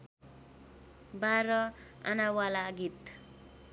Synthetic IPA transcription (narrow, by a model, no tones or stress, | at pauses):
baɾʌ | a̰nawalaɡit̪